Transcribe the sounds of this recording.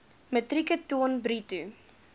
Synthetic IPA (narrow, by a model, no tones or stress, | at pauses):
mətrikətuənbɾitu